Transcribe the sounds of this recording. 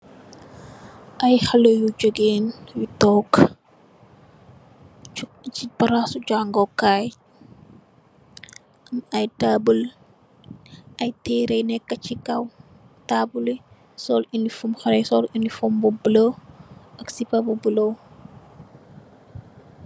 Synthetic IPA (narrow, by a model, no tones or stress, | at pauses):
ʔɐjxɐlojud͡ʒoɡeːnwitɔːk | t͡ʃipɐɾasuɟaŋɡɔkːaːj | ɐmɐjtaːbəl | ʔɐjtɛːɾɛjnɛkːɐt͡ʃikɐw | taːbuli | sɔːlindifumxɐɾɛjsɔːlindifɔmbɔbəlowɐksipɐbubəlow